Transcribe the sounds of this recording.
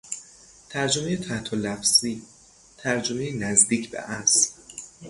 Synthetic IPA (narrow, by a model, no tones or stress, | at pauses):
t̪ʰæɾd͡ʒomejet̪ʰæht̪ʰolæfziː | t̪ʰæɾd͡ʒomejenæzd̪iːcʰbḛʔæs